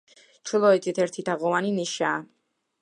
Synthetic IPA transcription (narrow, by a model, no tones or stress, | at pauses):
t͡ʃʰulˠɔɛt̪ʼit̪ʰɛɾt̪ʰid̪aʁɔwaniniʃaː